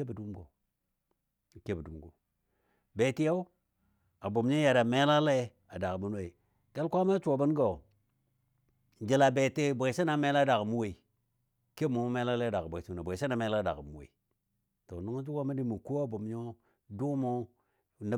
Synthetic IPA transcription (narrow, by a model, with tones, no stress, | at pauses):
e˦bdu˦mɡo˨ | ke˦bdu˦mɡo̰˨ | be˨ti˦ja˦u˦ | a˨bo˨m˦ɲo˦ja˨ɾa˨me˦la˦le˦ | a˨da˨kbu˦n˦e˨i˨ | ke˦lkʷa˦ma˦t͡ʃu˨o˨bə˦n˦ɡo˨ | nd͡ʒi˨la˨be˨te˦˨bʷe˨sa˦na˨me˦la˦da˨kmu˦we˨i˨ | ke˦mu˨˦mu˦me˦la˦le˦˨da˨kbʷe˨si˦˨na˨bʷa˨se˦na˨me˦la˦da̰˨ɡmu˦wḛ˨i˨ | to˨nu˦ŋ˦d͡ʒu˦ka˦ma˦di˨˦mu˨ku˦a˨bo˨mɲo˦ | du˦kmo˦˨ | na˦